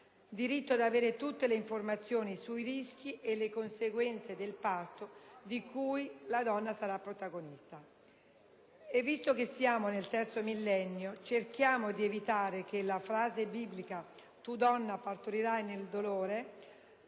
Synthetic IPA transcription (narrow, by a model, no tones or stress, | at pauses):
d̪iɾit̪ːoad̪aveːɾet̪ut̪ːeleiɱformat̪sːjoːnisuirisk̟iʔelekonseɡwɛnt̪sed̪elpart̪od̪ikujlad̪ɔnːasaɾapːɾot̪aɡonist̪a | evːist̪okesːjaːmonelt̪ɛrt̪somilːɛnːjot͡ʃerk̟jaːmod̪ievit̪aːɾek̟elafɾaːzebiblika | t̪ud̪ɔnːapart̪oɾiɾajneld̪oloːɾe